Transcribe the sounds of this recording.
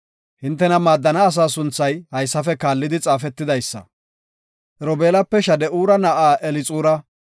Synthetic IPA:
hɪnt̪ːɛnɐmaːd̪ːɐnɐːs̬aːs̬ʊnt͡sːɐjhɐjsːɐfɛkaːlːɪd̪ɪt͡sʼaːfɛt̪ːɪd̪ɐjsːɐ̰ | ɾɔbeːlɐpːɛʃɐd̪ɛʔuːɾɐnɐʔaːʔɛlɪt͡sʼuːɾɐ

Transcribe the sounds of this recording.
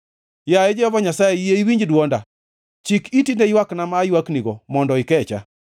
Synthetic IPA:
jaed͡ʒɛɔbɔɲasajeijeiwiɲd͡ʒdwɔnda̰ | t͡ʃikitindejwaknamajwakniɡɔmɔndɔɪkɛt͡ʃa̰

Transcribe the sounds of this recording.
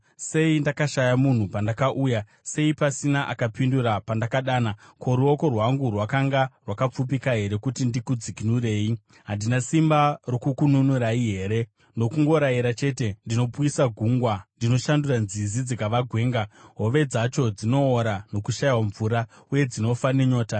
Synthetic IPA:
se̞indakaʃajamun̤upandakaʔuːja | se̞ipasinaʔakapinduɾapandakaɗaːnako̞ɾuo̞ko̞rwaŋɡurwakaŋɡarwakap͡fup̬ikaɦe̞ɾe̞kutindikud͡zikinure̞ːi | ɦandinasimbaro̞kukununuɾaiɦe̞ːɾe̞ | no̞kuŋɡo̞ɾaiɾat͡ʃe̞te̞ndino̞pisaɡʱuːŋɡwandino̞ʃanduranzizid͡zikaʋaɡʱwe̞ːŋɡaɦo̞ʋe̞d͡zat͡ʃo̞d͡zino̞ːɾano̞kuʃajwaɱvuɾa | uje̞d͡zino̞fane̞ɲo̞ːta

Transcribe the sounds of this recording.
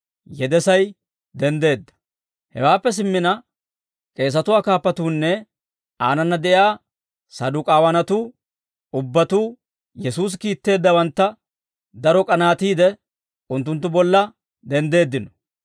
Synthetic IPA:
jɛd̪ɛsɐj | d̪ɛnd̪e̞ːd̪ːɐ̥ | hɛ̰waːpːɛs̬ɪmːɪnɐ | kʼe̞ːs̬ɐt̪ʊwaːkaːpːɐt̪uːnːɛ | aːnɐnːɐd̪ɛʔjaː | sɐd̪ʊːkʼaːwɐnɐt̪uː | ʊbːɐt̪uː | jɛsuːs̬kiːt̪ːe̞ːd̪ːɐwɐnt̪ːɐ | d̪ɐɾɔkʼɐnaːt̪iːd̪ɛ | ʊnt̪̬ːʊnt̪ːʊbɔlːɐ | d̪ɛnd̪e̞ːd̪ːɪnɔ

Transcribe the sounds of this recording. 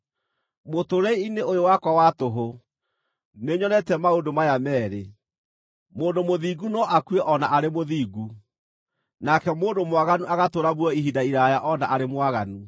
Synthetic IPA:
motoɾɛiineojowakwawatoɦo | neɲɔnɛtɛmaondomajamɛːɾe | moːndomoðiːɡunɔʔakweʔɔnaʔaɾemoðiːɡu | nakɛmoːndomwaɣanuʔaɣatoɾaβwɔiɦidaiɾajaʔɔnaʔaɾemwaɣanu

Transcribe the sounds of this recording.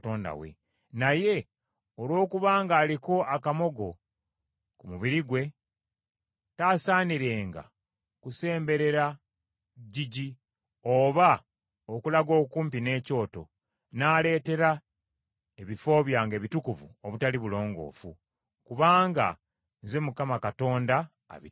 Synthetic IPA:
to̞ːnda̰wḛ | naje̞ | olwo̞ːkuβaːŋɡaːliko̞akamo̞ɡo̞ | kumuβiɾiɡwe̞ | taːsaːniɾe̞ːŋɡa̰ | kuse̞ːmbe̞ɾe̞ɾa | ɟiɟi | oːβa | okulaɡo̞ːkuːmpine̞ːco̞ːto̞̰ | naːle̞ːte̞ɾa | e̞βifo̞ːβjaːŋɡe̞ːβitukuvṵoβutaliβulo̞ːŋɡo̞̰ːfṵ | kuβaːŋɡa̰ | nze̞mukamakato̞ːnda̰ː | βi

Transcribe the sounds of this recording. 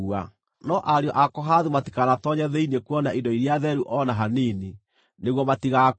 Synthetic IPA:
a | nɔʔaɾeɔʔakɔɦaðumati̥kanatɔɲɛðɛinekuɔnaʔidɔiɾiaðɛɾuʔɔnaɦaniːni | neɣwɔmatiɣa

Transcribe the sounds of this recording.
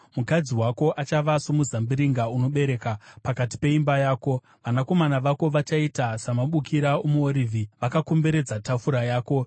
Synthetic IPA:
mukad͡ziwako̞ʔat͡ʃaʋasomuzambiɾiŋɡauno̞ɓe̞ɾe̞ːkapakati̥pe̞imbajaːko̞ | ʋanako̞manaʋako̞ʋat͡ʃaitasamaɓukiɾaomuoɾivʱiʋakakombe̞ɾe̞d͡zatafuɾajaːko̞

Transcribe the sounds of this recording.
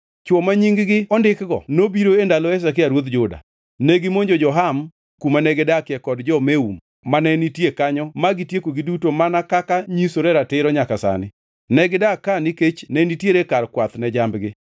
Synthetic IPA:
t͡ʃwɔmaɲiŋɡɡɪɔndɪkɡɔnobiɾoendalɔɛs̬ak̬ɪaɾwot̪d͡ʒʊda̰ | neɡɪmoɲd͡ʒod͡ʒɔɦam | kumanɛɡɪdakɪɛkɔdd͡ʒɔmeum | manɛnitjekaɲɔmaɡitjekoɡidutomanakakaɲisoɾɛɾatɪɾɔɲakasa̰nɪ | nɛɡɪdakaniket͡ʃnɛnitjeɾekarkwat̪nɛd͡ʒambɡɪ

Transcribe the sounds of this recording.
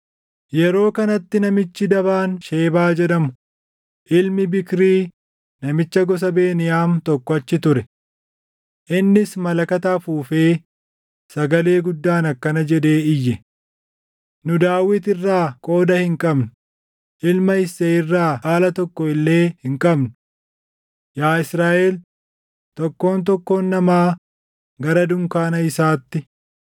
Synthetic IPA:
jɛɾo̞ːkɐnɐt̪ːɪnɐmɪt͡ʃːɪd̪ɐβaːnʃe̞ːbaːd͡ʒɛd̪ɐmʊ | ʔɪlmɪbɪkɾiː | nɐmɪt͡ʃːɐɡɔs̬ɐbeːnɪjaːnt̪ɔkːɔɐt͡ʃːɪt̪ʊɾɛ | ʔɪnːɪsmɐlɐkɐt̪aːfuːfeː | sɐɡɐle̞ːɡʊd̪ːaːnɐkːɐnɐd͡ʒɛd̪e̞ːɪjːɛ | nʊd̪aːwɪt̪ɪrːaːkʼo̞ːd̪ɐhɪŋkʼɐbnʊ̥ | ʔɪlmɐɪseːɪrːaːhaːlɐt̪ɔkːɔɪlːe̞ːhɪŋkʼɐbnʊ | jaːɪsɾaːʔeːl | t̪ɔkːo̞ːnt̪̬ɔkːo̞ːnːɐmaː | ɡɐɾɐd̪ʊŋkaːnɐɪsaːt̪ːɪ

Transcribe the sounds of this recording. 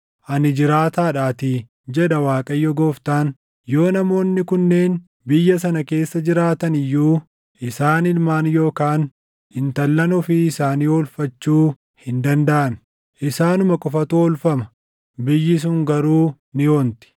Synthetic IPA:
ʔɐnɪd͡ʒɪɾaːt̪aːᶑaːt̪ɪ | d͡ʒɛᶑɐwaːkʼɐjːɔɡoːft̪aːn | jo̞ːnɐmo̞ːnːɪkʊnːe̞ːn | bɪjːɐs̬ɐnɐke̞ːsːɐd͡ʒɪɾaːt̪ɐnɪjːuː | ʔɪsaːnɪlmaːnjo̞ːkaːn | hɪnt̪ɐlːɐnɔfɪɪsaːniːɔlfɐt͡ʃːuː | hɪnd̪ɐnd̪ɐʔɐn | ʔɪsaːnʊmɐkʼʊfɐt̪uɔlfɐmɐ̥ | bɪjːɪs̬ʊŋɡɐɾuː | nɪoːnt̪ɪ̥

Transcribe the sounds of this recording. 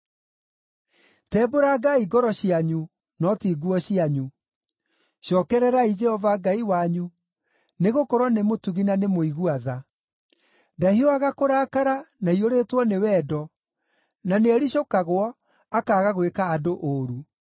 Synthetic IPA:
tɛːboɾaɡaiɡɔɾɔɕiaɲu | nɔtiːɡuɔɕiaɲu | ɕjɔkɛɾɛɾaid͡ʒɛhɔvaɡaiwaɲu | neɣokɔɾwɔnemotuɣinanemoiɣuaða | dahioaɣakoɾaːkaɾanaioɾeːtwɔnewɛdɔ | naneaɾiɕokaɣwɔ | akaːɣaɣwekaːdoʔoɾu

